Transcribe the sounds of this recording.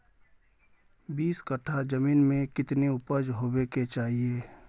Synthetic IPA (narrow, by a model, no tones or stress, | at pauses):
biːskəʈʰad͡ʒɐmiːnmẽkɪt̪neʊpəd͡ʒɦoːbeket͡ʃaːɦieː